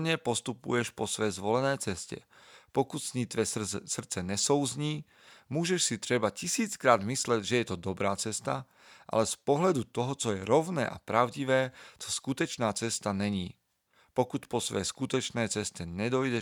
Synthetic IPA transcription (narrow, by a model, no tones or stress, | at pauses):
ɲɛpɔst̪upṵjɛʃpɔsʋɛjzʋɔlɛnɛːt͡sɛscɛ̰pɔkut̪sɲiːt̪ʋɛsr̩t̪t͡sɛɲɛsɔʊzɲiː | muːʒɛʃsit̪ɾɛbacisiːt͡skɾaːd̪mislɛɟʒɛjɛt̪ɔd̪ɔbɾaːt͡sɛst̪a | ʔa̰lɛspɔɦlad̪ut̪ɔɦɔt͡sɔjɛɾɔʊnɛ̰ːʔa̰pɾaʊɟiʋɛːt͡sɔ̥skut̪ɔt͡ʃnaːt͡sɛst̪anɛɲiː | pɔkut̪pɔsʋɛ̰jskut̪ɔt͡ʃnɛːt͡sɛst̪ɛɲɛd̪ɔjɟɛ